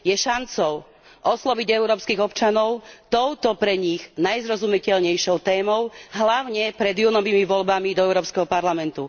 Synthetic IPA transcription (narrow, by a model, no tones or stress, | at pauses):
jɛʃant͡sɔʊ | ʔɔslɔʋiɟɛʊɾɔːpskiːɣɔpt͡ʃanɔʊt̪ɔʊt̪ɔpɾɛɲiɣnajzɾɔzumicɛlɲɛjʃɔʊt̪ɛːmɔʊɦlaʊɲɛpɾɛd̪junɔʋiːmiʋɔlbamid̪ɔɛʊɾɔːpskɛɦɔpaɾlamɛnt̪u